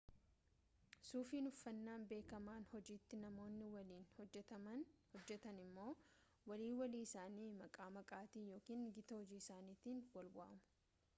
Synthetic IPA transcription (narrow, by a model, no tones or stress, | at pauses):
suːfiːnʊfːɐnːaːnbe̞ːkɐmaːnhɔd͡ʒiːt̪ːɪnɐmo̞ːnːɪwɐliːnhɔːɛt̪ɐmɐnhɔd͡ʒːɛt̪ɐnɪmːo̞ː | wɐliːwɐliːɪsaːniːmɐkʼaːmɐkʼaːt̪iːnjo̞ːkiːnɡɪt̪ɐhɔd͡ʒiːɪsaːniːt̪iːnwɐlbʊʔɐ̰mʊ̥